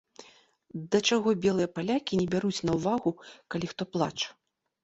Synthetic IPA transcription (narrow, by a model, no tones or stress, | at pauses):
d̪ɐt͡ʂaɣɔbʲɛlˠɨjɐpalʲakʲinʲɛbʲaɾut͡sʲnɐwvaɣukalʲixt̪ɔplˠa̰t͡ʂɐ̥